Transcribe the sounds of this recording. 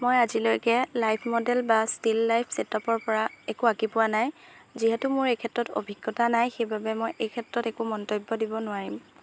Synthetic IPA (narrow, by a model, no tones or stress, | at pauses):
mojazilojkɛlajpʰmɔdɛlbastilːajpʰsɛtɔpɔɹpɔɹaɛkuakipʊwanajziɦɛtʊmʊɹejkʰɛtɹɔto̰bʱiɡːɔtanajxejbʱabɛmɔjʔejkʰɛtɹɔtɛkumɔntojbːɔdibɔnʊaɹim